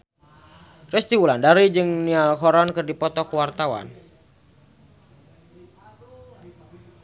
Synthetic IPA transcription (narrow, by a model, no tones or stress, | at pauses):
rɛst̪iwulandaɾid͡ʒɨŋnialɦɔɾankɨrdipɔt̪ɔkəwart̪awa̰n